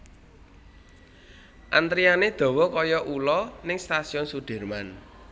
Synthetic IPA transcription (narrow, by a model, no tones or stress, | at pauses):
ʔant̪ɾianed̪̥ɔ̤wɔkɔjɔʔulɔnɪŋst̪asiɔnsuɖ̥ɛ̤rman